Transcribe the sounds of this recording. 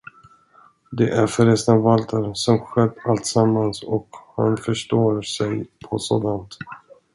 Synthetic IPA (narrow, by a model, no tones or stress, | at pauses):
d̪ɛʔæɾfœɾɛsnavalt̪ʰəɾsɔmɧɛd̪ːalt̪samːansɔkha̰nfœʂʈoːɾsɛjpʰɔso̰ːd̪ant̪